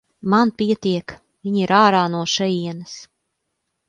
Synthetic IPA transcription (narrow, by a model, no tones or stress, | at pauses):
manpʲiɛt̪iɛk | viɲiɾaːɾaːnuɔʃɛjiɛnɐs